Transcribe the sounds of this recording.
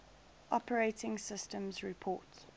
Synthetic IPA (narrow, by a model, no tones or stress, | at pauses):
ʔɔpʰəɹeɪtɪ̃ŋsɪstə̃mzɹɪpʰɔ̰ːˑts